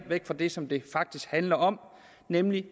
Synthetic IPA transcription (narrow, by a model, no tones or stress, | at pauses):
ʋeɡ̥fɒd̥e̝sɒ̽md̥e̝fɑ̈ɡ̥̚d̥isɡ̥hænlɐʔɒ̽m | nemli